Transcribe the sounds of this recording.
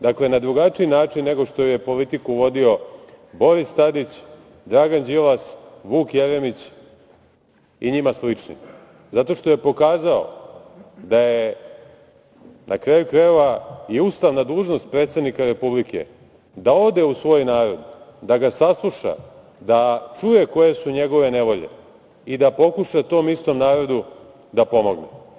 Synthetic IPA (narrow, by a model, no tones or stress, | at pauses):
d̪akle̞nad̪ɾuɡat͡ʂiinaːt͡ʂinːe̞ɡo̞ʂt̪ojuje̞po̞lit̪ikuʋo̞d̪io̞ | bo̞ɾist̪ad̪it͡ɕ | d̪ɾaːɡand͡ʑilasʋuːkjeɾemit͡ɕ | iɲimaslit͡ʂnḭ | zat̪o̞ʃt̪o̞je̞po̞kaːzao̞̰ | d̪aje | nʔakɾajukɾaeʋaiust̪aʋnad̪uːʒno̞st̪̚pɾet̪se̞d̪nikaɾe̞publikʰḛ | d̪ao̞d̪e̞usʋo̞jnaːɾo̞d̪d̪aɡasaslˠuʃa̰ | d̪at͡ʂuje̞ko̞je̞suɲe̞ɡo̞ʋe̞neʋo̞ʎḛ | id̪apo̞kuʂat̪o̞ːmist̪o̞mnaːɾo̞d̪u | d̪apo̞mo̞ɡne